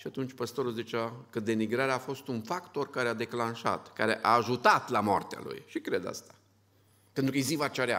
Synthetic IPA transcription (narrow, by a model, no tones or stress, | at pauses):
ʃiat̪unt͡ʃʲpəst̪o̞ɾuzit͡ʃeakəd̪e̞miɡɾaɾeaːfo̞st̪unfakt̪o̞rkaɾead̪e̞klanʃa̰t̪kaɾḛʔaːʒut̪at̪lamoa̰rt̪ea̰lṵjʃikɾe̞d̪a̰st̪ḁ | pent̪ɾukəjzivat͡ʃaɾea̰